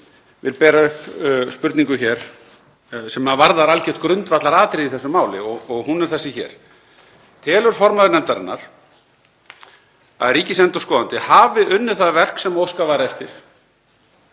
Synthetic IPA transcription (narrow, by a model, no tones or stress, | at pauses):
vɪ̰lpɛːɾaʏhpspʏɾt̪niŋkʏçɛɾ̥ | sɛmaðvaɾðaɾalcɛht̪kɾʏnt̪vat̪laɾaːt̪ɾɪðiθɛsʏmaːwlɪ̰ɔɣɔɣhunɛɾ̥θɛsːɪçɛ̰ːɾ̥ | t̪ʰɛːlʏɾ̥fɔɾmaðʏɾnɛnt̪aɾɪ̰nːa̰ɾ̥ | a̰ðɾiːcɪsɛnt̪ɔskɔːðant̪ɪhaːvɪʔʏnːɪ̥θaðvɛr̥ksɛmowskavaːɾɛft̪ɪɾ̥